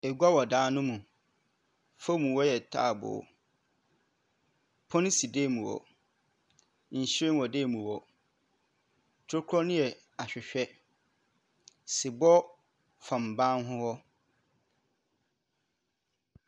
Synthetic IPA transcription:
ɛ˨ɡʷa˦wɔ˨dãː˦nʊ̃˦mũ˨ | fa˦mũ˨wɔ˦jɛ˨tʰa̰˦˨bʊ̰˨ | pʰɔ̃˦ñ˦si˨deː˦˨mũ˨wɔ̰˨ | n̩˨ɕɾẽ˦wɔ˨deː˦˨mũ˨wɔ˨ | tʰʊ˦kʰɾɔ˦nʊ̃˦jɛ˨ | a˨ɕᶣɪ˨ɕᶣɛ˦ | sɪ˨bɔ˦ | fã˨m˨bã˦nɦʊ̃˦hɔ˦

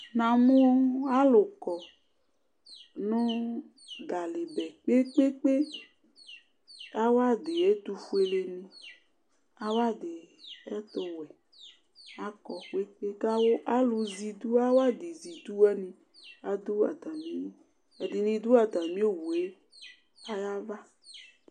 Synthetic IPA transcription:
nã˨mũ˦a˦lʊ˨kɔ˨ | nʊ̃˦ | ɡa˨le˨bɛ˨k͡pe˦k͡pe˦k͡pe˦ | a˦wa˦d̪e˨e˦t̪u˨fu˦e˨le˨nĩ˦ | a˦wa˦d̪ɪ˨ɛ˦t̪o˨wɛ˨ | a˨kɔ˨k͡pe˦k͡pe˦ka˦wo˦ʔa˦lu˨zi˨d̪u˦a˦wa˦d̪e˨zi˨d̪u˦ɛ˦nĩ˨ | a˨d̪u˦a̰˨t̪ã˨mĩ˦ | e˨d̪i˨nĩ˨d̪u˦a˨t̪a˨mĩ˦o˦wu˨e˦ | a˦ja˦va˦

